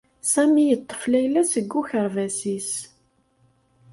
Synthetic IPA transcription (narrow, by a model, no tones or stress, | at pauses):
sæmijət̪ˤːə̥flæjlæsəɡːuçəɾvæsis